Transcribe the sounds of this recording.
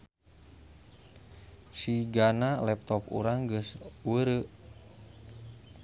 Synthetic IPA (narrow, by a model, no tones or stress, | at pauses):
siɡanalɛp̚t̪ɔpṵɾaŋɡəswəɾəʔ